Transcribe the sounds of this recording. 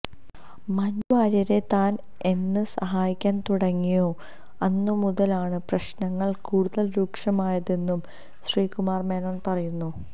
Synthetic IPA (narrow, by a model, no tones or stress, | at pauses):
mɐnaːɾɐɾe̞t̪aːn | e̞nːɨsɐɦaːjikʲːaːnt̪uɽɐŋːijo̞ː | ɐnːɨmuðɐlaːɳɨprɐɕnɐŋːɐɭkuːɽuðɐlɾuːkʂɐmaːjɐðe̞nːum | ɕriːkumaːrmeːnoːnpɐrɐjunːu